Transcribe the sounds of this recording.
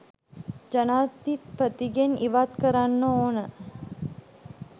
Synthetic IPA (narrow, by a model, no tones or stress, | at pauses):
d͡ʒɐnaːɾt̪ipɐt̪iɡeniʋaːt̪kɐɾaːnːooːnɐ